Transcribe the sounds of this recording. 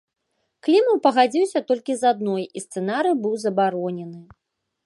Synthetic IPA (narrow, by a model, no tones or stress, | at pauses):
klʲimɐwpɐɣad͡zʲiwsʲɐt̪ɔlʲkʲizad̪̚nɔjist̪sɛnaɾɨjbɨwzɐbaɾɔnʲɛnɨ